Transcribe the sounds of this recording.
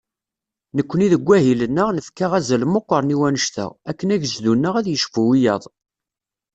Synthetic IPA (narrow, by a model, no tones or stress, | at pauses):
nəkʷːəniðəɡʷːæɦilənːəʁnəfkaʁæzælmoqːəɾˤniwænəʃt̪ə̰ʁækːənæʝzd̪unːəʁæðjəʃfuwijɑðˤ